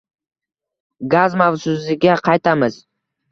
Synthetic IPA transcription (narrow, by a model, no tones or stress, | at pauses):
ɡazmawsʊzɪɡʲaqʰɑjt̪ʰamɪz̥